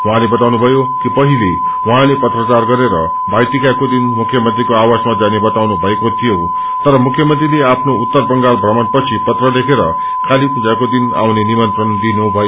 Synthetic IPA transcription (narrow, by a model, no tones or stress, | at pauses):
waɦãlebʌt̪awnubʱʌjokipʌɦile | wʌɦãlepʌt̪rʌt͡sarɡʌɾeɾʌ̰ | bajʈikakod̪inmukʰjʌmʌnt̪rikoawasmad͡zanebʌt̪awnubʱʌekot̪ʰijo | t̪ʌɾʌmukʰːjʌmʌnt̪rileapʰnout̪ːʌrbʌŋɡarbʱrʌmʌnpʌt͡sʰipʌt̪rʌlekʰeɾʌ | kʰalipud͡zakod̪ina̰wnenimʌnt̪rʌnd̪inubʱʌjo